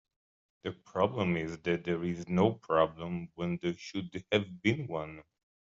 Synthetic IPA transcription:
ðɨpʰɹ̥ɑblə̃mɪzðɨt̪̚ðəɹɪznoʊpʰɹ̥ɑblə̃mwɛ̃nðə˞ʃʊdɨvbɪ̃nwʌ̃n

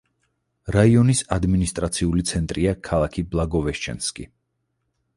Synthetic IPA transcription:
ɾaiɔnisad̪minist̪ʼɾat̪sʰiulit̪sʰɛnt̪ʼɾiakʰalˠakʰiblˠaɡɔvɛʃt͡ʃʰɛ̰nskʼḭ

